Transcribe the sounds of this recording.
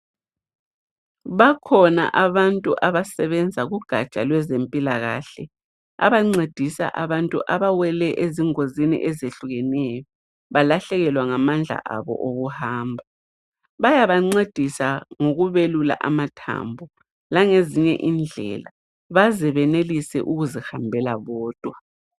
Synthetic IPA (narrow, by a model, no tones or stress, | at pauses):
βakʰɔna̰ʔaβantʼuʔaβasɛβɛnd͡zʱaɣuɡ̥ʱat͡ʃʼalwɛzempʼilaɣa̰ːɬɛ | a̰βaŋ͡ǀed̥ʱisa̰ʔaβantʼṵʔaβawɛlɛʔeziŋozinḭʔɛzeɬuɣɛnɛjɔ | βalaɬɛɣɛlwaŋamand͡ɮʱa̰ʔaβɔ̰ʔoɣuhaːmbʱa | βajaβaŋ͡ǀed̥ʱisaŋoɣuβelula̰ʔamatʰa̰mbʱɔ | laŋeziɲɛ̰ʔiːnd͡ɮʱɛ̰la̰ | βazɛβɛnelisɛ̰ʔuɣuzɛhambʱɛlaβɔːd̥ʱʼwa